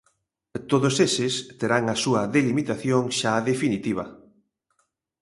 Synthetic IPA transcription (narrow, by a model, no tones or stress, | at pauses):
t̪oðosesɪst̪eɾaŋɐsuɐðelimit̪aθjoŋʃaðefinit̪iβ̞ɐ̰